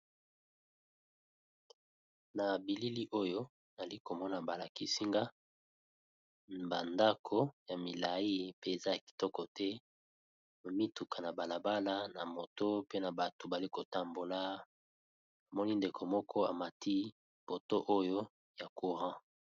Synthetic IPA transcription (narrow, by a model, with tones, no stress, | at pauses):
na˨bi˨li˦li˦ʔo˦jo˦ | na˨li˦ko˨mɔ˦na˨ba˨la˨ki˦si˦ŋɡa˦ | ba˨nda˦kʰo˨ja˨mi˨la˨i˦pe˦e˨za˦ja˨ki̥˨tɔ˦kɔ˨tɛ˦ | ma˨mi˦tu˨ka˨na˨ba˨la˨ba˦la˦na˨mo˨to˦pe˦na˨ba˨to˨ba˨li˦ko˨ta˨mbo˨la˦ | a˨mɔ˦ni˦nde˨kʰo˨mɔ˦kʰɔ˦a̰˨ma˨tʰi˦ | po˨to˦ʔo˦jo˦ | ja˨ku˨ʁã˦